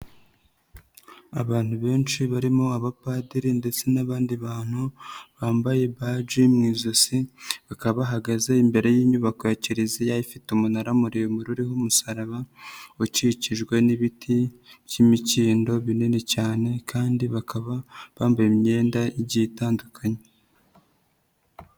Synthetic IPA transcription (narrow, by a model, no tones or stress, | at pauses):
a̰βaːn̥huβe̞ːnʃiβaɾimo̞aβapaːdiɾinde̞t͡se̞naβaːndiβaːn̥huβaːmbaje̞βaʒimŋiːzosiβakaβaɦaɡazeimbe̞ɾe̞jiːɲuβakoeciɾezejajifitumunaɾamuɾijomuɾuɾihumusaɾaβauciciʒɡwe̞niβitʰiβjimiciːndo̞βinene̞caːne̞kʰaːndiβakʰaβaβaːmbajimɲe̞ːndaiɟitaːndukʰaɲe